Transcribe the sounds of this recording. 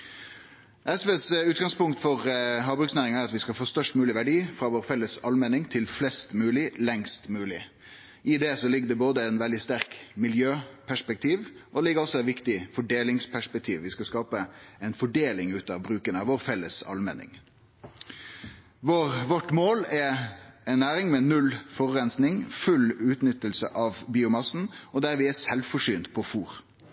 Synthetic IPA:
ʔɛsʋesʉːt̪ɡɑŋspʊŋkt̪fɔʁɦɑːbɾʉksnæːɾɪŋæɾɑt̪ʋɪskɑfoːst̪œʂʈmʉːlɪʋæɖiːfɾɑʋoːɾfɛlːəsɑlmɛnɪŋt̪ʰɪlflɛst̪mʉːlɪlɛŋst̪mʉːlɪ | ʔɪd̪ɛsɔlɪɡːd̪ɛboːd̪əɛɪnʋɛld̪ɪst̪æɾkmɪljøːpʰæʂpɛk̚t̪ʰiːʋʔɔlɪɡəɾɔsɔɛt̪ʋɪkt̪ɪfɔɖeːlɪŋspʰæʂpɛk̚t̪ʰiːʋʋɪskɑskɑːpəɛɪnfɔɖeːlɪŋʉːt̪ɑʋbɾʉːkənəɑʋɔːɾfɛlːəsɑ̰lmɛ̰nɪ̰ŋ | ʋoːɾʋɔʈːmoːlɛɛnːæːɾɪŋmɛnʉlfɔʁʉɾɛnsnɪŋfʉlʉːt̪nʏt̪ːəlsəʔɑʋbiːʊmɑsn̩ɔd̪æɾʋɪæsɛlfɔʂyːnt̪pʰɔfuːɾ

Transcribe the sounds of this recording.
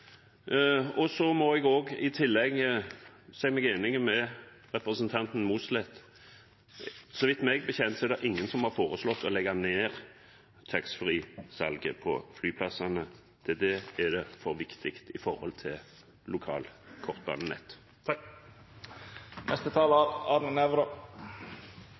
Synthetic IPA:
ɔsɔmɔɛɡoːɡɪt̪ʰɪlːɛɡəsæɪɡmɛɡeːnɪŋəmɛ | ʁɛpɾəsənt̪ʰɑnt̪n̩muːslɛt̪ | sɔʋɪt̪mɛɡbəçɛnt̪sɔɛɾd̪ɛʔɪŋːənsɔmhɑʁfoːʁəslɔt̪ːɔlɛɡɑneːʁ | t̪ʰɑksfʁiːsɑ̰lɡəpʰɔ̰flyːpʰlɑsɑnə | d̪̥ʰɛd̪ɛæd̪ɛfɔʁʋɪkt̪ʰɪkt̪ɪfɔʁhɔ̰lt̪ʰɪl | lʊkʰɑ̰ːlkʰɔʁt̪̚bɑ̰ːnənɛ̰t̪ː | nʔɛst̪ət̪ʰɑːləɑɾnənɛʋɾɑ

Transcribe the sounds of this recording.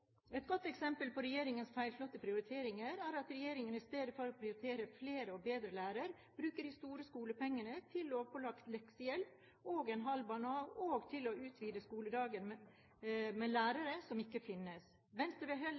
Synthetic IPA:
ɛt̪̚ɡɔt̪ːɛksɛmpəlpɔɾɛjeːɾɪŋənsfæɪlflɔt̪ːəpʰɾɪʊɾɪt̪ʰeːɾɪŋəɾæːɾɑt̪ɾɛjeːɾɪŋənɪst̪eːd̪əfɔɾɔpʰɾɪʊɾɪt̪ʰeːɾəfleːɾəɔbeːd̪ɾəlæːɾəɾ | b̥ɾʉːkəɖɪst̪uːɾəskuːləpɛŋːənət̪ʰɪlːoːʋpʰɔlɑkt̪lɛksəjɛlp | oːɡɛnɦɑlbɑːnɑːoːɡt̪ʰɪlɔʉːt̪ʰʋiːd̪əskuːləd̪ɑːɡən | mɛlæːɾəɾəsɔmɪkːəfɪnːəs | ʋɛnst̪əʋɛɦɛl

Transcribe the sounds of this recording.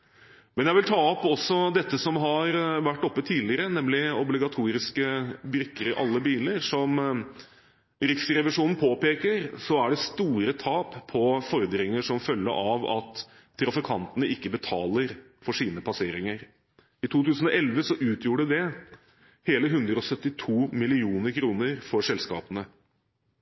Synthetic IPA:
mɛnjæɪʋɪlt̪ʰɑːɔpɔsɔd̪ɛt̪ːəsɔmɦɑɾʋæʈːɔpːət̪ʰiːlɪɾənɛmlɪɔblɪɡɑt̪ʰuːɾɪskəbɾʏkːəɾɪʔɑlːəbiːləɾsɔm | ɾɪksɾɛʋɪʂuːnn̩pʰoːpeːkəɾsɔæɖɛst̪uːɾət̪ʰɑːppʰːɔfɔɾd̪ɾɪŋəʂɔmfœlːə̰ʔɑʋɑ̰t̪ʰː | ɾɑfɪkʰɑnt̪ənəʔɪkːəbət̪ʰɑːləɾ | fɔʂiːnəpʰɑseːɾɪŋəɾ | ɪt̪ʰuːt̪ʰʉːsn̩ɔʔɛlʋəsɔʔʉːt̪ʰjuːɖəd̪ɛ | heːləɦʉnd̪ɾəɔsœt̪ːɪt̪ʰuːmɪlɪuːnəɾkʰɾuːnəɾfɔɾʂɛlskɑ̰ːpənə

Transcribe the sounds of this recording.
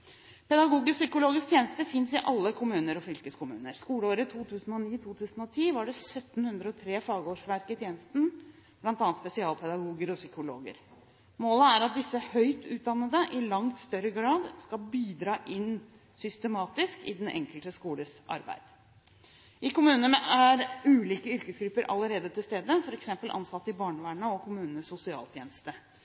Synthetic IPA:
pɛd̪ɑɡuːɡəsʏkʊloːɡɪskt̪ʰjeːnəst̪əfɪnsɪʔɑlːəkʰʊmʉːnəɾɔfʏlkəskʊmʉ̰ːnəɾskuːləoːɾət̪ʰuːt̪ʰʉːsn̩ɔniːt̪ʰuːt̪ʰʉːsn̩ɔt̪ʰiːʋɑɖɛsœt̪ːn̩hʉnd̪ɾəɔt̪ʰɾeːfɑːɡoːʂʋæɾkɪt̪ʰjeːnəst̪n | b̥lɑnt̪ɑːnt̪spɛsɪɑːlpʰɛd̪ɑɡuːɡəɾɔsʏkʊlo̰ːɡə̰ɾ | moːləæɾɑt̪̚d̪ɪsːəhœʏt̪ʉːt̪̚d̪ɑnːəd̪əʔɪlɑŋt̪st̪œɾəɡɾɑːd̪skɑlbiːd̪ɾɑːʔɪn | sʏst̪əmɑːt̪ɪskɪd̪ɛnʔɛ̰ŋkəlt̪əskuːləsʔɑ̰ɾbæ̰ɪd̪̥ | ʔɪkʊmʉːnənæɾʉːliːkəʏɾkəsɡɾʉpːəɾʔɑ̰lːəɾeːd̪ət̪ʰɪlst̪eːd̪əfɔɾɛksɛmpəlʔɑ̰nsɑt̪ːɪbɑːɳəʋæːɳəɔkʰʊmʉːnənəsʊsɪɑ̰ːlt̪ʰjeːnəst̪ə

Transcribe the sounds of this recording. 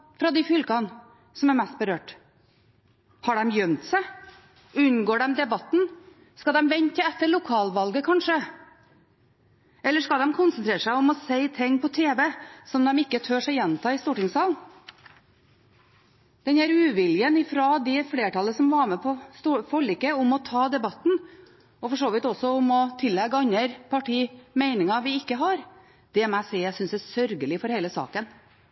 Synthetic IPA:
fɾɑd̪ɪfʏlkɑn | sɔmæɾmɛst̪̚bəɾøːʈ | hɑɖɛmjœmt̪sæɪ | ʉnɡoːɖɛmd̪ɛbɑt̪n̩ | skɑd̪ɛmʋɛɲtəɛt̪ːəɭʊkʰɑːlʋɑlɡəkʰɑnʂə | ɛlːəʂkɑld̪ɛmkʰʊnsənt̪ɾeːɾʂæɪɔmɔseɪt̪ʰɪŋːpʰɔt̪ʰeːʋɛsɔmd̪ɛmɪkːət̪ʰøːʂæɪjɛnt̪ɑːɪst̪uːʈɪŋsɑːln | d̪̥ɛnæːɾʉːʋɪljənɪfɾɔd̪ɛfleːʈɑlːəsɔmʋɑɾmɛpʰɔst̪ufɔɭiːkəʊmɔt̪ʰɑːd̪ɛbɑt̪n̩ | ɔfɔʂoːʋɪt̪ɔsɔʊmɔt̪ʰɪlːɛɡɑnːəɾpʰɑʈʰiːmeɪnɪŋɑʋɪɪkːəɦɑɾ | d̪̥ɛmæɪsɛɪjæsʏnsæsœɾɡəlɪfɔɾheɪləsɑ̰ːkən

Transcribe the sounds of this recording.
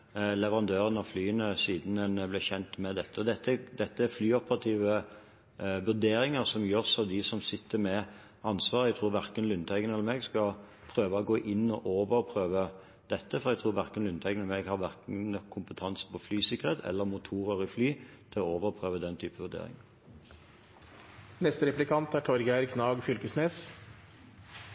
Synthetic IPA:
lɛʋəɾʁɑnd̪øːʁənɑflyːənəsiːd̪n̩ɛnblɪçɛnt̪mɛd̪ɛt̪ːəɔd̪ɛt̪ːd̪ɛt̪ːəæɾflyːɔpəʁɑt̪ʰiːʋə | ʋʉɾd̪eːɾɪŋəʁsɔmjøːʁsɔd̪ɪsɔmsɪt̪ːəmɛ | ɑnsʋɑːʁɛɡ̚t̪ʰɾuːɾʋæʁkənlʉnt̪ʰæɪɡənɛlːəɾmeːɡskɑ | pʰʁøːʋəɔɡoːʔɪnːɔʔoːʋəʁpʰʁøːʋə | d̪̥ɛt̪ːəfɔʁɛɡt̪ʰʁuːɾʋæʁkənlʉnt̪ʰæɪɡənəɾmɛɡhɑʁʋæʁkn̩kʰʊmpət̪ʰɑnsəpʰɔflyːsɪkːəʁheːt̪ʰɛ̰lːəʁmʊt̪ʰuːʁəʁɪflyːt̪ʰɪlɔoːʋəʁpʰʁøːʋəd̪ɛnt̪ʰyːpəʋʉd̪ḛːɾɪ̰ŋ | nɛst̪əɾɛplɪkʰɑnt̪æʈʰɔɾɡæɾkʰnɑːɡfʏlkəsneːs

